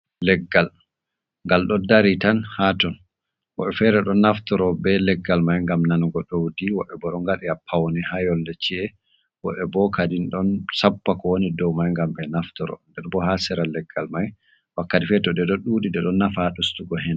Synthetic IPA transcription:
lɛɡːal | ŋɡalɗɔdaɾitanhatɔn | wɔ̰ɓɛfɛɾɛɗɔnːaftɔɾɔbɛlɛɡːalmajŋɡamnanɡɔɗowdiwɔɓɛbɔɗɔŋɡaɗɛapʰːawnihajɔldɛt͡ʃiɛ | wɔ̰ɓɛbɔkadinɗɔnsapːakɔwonidɔwmajŋɡambɛnaftɔɾɔ̰ndɛɾbɔhasɛɾalɛɡːalmaj | wakːatifɛtɔdɛɗɔɗuɗidɛɗɔnːafaɗustuɡɔhɛn

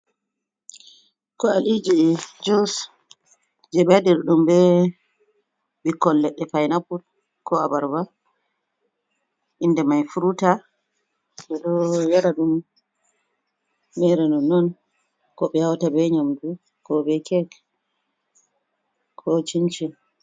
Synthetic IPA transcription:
kɔalid͡ʒid͡ʒus | d͡ʒɛbadiɾɗumbɛ | bikːɔllɛɗːɛfajnaput | kɔabaɾba | ʔindɛmajfuɾuta | ɓɛɗɔjaɾaɗum | ɛɾɛnɔnːɔn | kɔɓɛhawtabɛɲamdu | kɔbɛkɛɡ | kʰɔt͡ʃint͡ʃi

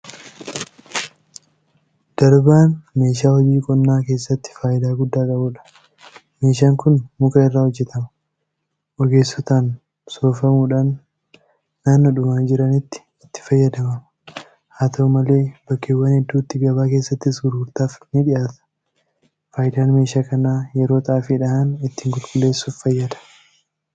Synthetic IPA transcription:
d̪̥ɐɾbaːnme̞ːʃ̬aːhɔd͡ʒiːkʼɔnːaːke̞ːsːɐt̪ːɪ̥faːjʔɪd̪aːɡʊd̪ːaːkʼɐbuːᶑɐ̥ | me̞ːʃ̬aːŋkʊnmʊkɐɪrːaːhɔd͡ʒːɛt̪ɐmɐ | ʔɔɡe̞ːsːɔt̪aːn | so̞ːfɐmuːᶑaːnː | aːnːɔᶑʊmaːnd͡ʒɪɾɐnɪt̪ːɪ̥ | ɪt̪ːɪ̥fɐjːɐd̪ɐmɐm | haːt̪ʰɐumɐle̞ːbɐkːeːwːɐnhɛd̪ːuːt̪ːɪɡɐbaːke̞ːsːɐt̪ːɪsɡʊɾɡʊɾt̪aːfnɪᶑɪjʔaːt̪ɐ̥ | faːjɪd̪aːnme̞ːʃaːkɐnaːjɛɾo̞ːt̪ɐʔaːfɪᶑɐhɐnɪt̪ːiːŋkʊlkʼʊlːe̞ːsːuːfːɐjːɐd̪ɐ̥

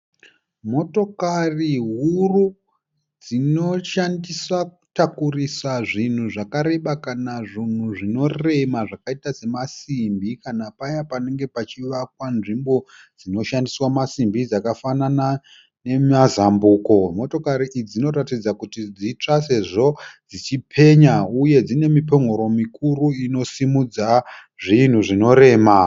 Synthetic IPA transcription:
mo̞to̞kariɦuru | d͡zino̞ʃandiswaku̥takurisaʐin̤uʐakaɾe̞ɓakanaʐin̤uʐino̞re̞maʐakaitase̞masimbikanapajapane̞ŋɡepat͡ʃiʋakwanʐimbo̞ | d͡zino̞ʃandiswamasimbid͡zakafanana | ne̞mazambuːko̞mo̞to̞kaɾiʔid͡zino̞ɾatid͡zakutid͡zit͡ʂase̞ʐo̞d͡zit͡ʃipʰe̞ɲauje̞d͡zine̞mipo̞ŋo̞ɾo̞mikʰuɾuino̞simud͡za | ʐin̤uʐino̞ɾe̞ːma

